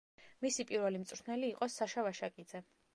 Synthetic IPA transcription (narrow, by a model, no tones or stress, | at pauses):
misipʼiɾvɛlimt̪sʼɾʰnɛliːqʼɔsaʃavaʃakʼid̪zɛ